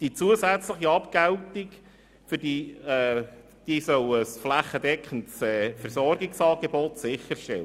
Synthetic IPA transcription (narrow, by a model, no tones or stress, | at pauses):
d̥it͡suəsæt͡sləχiɑpkæltik | fʏɾd̥iɛ | d̥isœwəsflæχːədɛkχəntsɛːfɛɾsɔrɡiksɑːɡ̥ebɔt̪sɪχːəɾʃtɛl